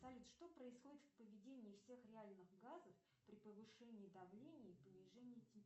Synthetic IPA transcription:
sɐlʲut̪ʂt̪o̞pɾəɪsxo̞dʲɪt̪fpəvʲɪdʲenʲɪːfsʲe̞xɾʲɪalʲnɨɣɡazəf | pɾʲɪpəvɨʂɛnʲɪːd̪ɐvlʲenʲɪipənʲɪʐɛnʲɪətʲɪ

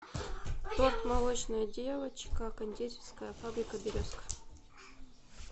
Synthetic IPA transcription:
t̪ot̪mɐlˠot͡ɕnɐjədʲevət͡ɕkɐkɐnʲdʲet͡sʲɪ̥skəjəfabɾʲɪkəbʲɪɾʲoskə̥f

